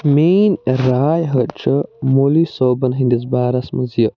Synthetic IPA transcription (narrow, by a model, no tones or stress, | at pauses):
meːnɾaːjɦɐt͡ʃʰɐmolisoːbɐnɦind̪izbaːɾɐsmɐzjɐ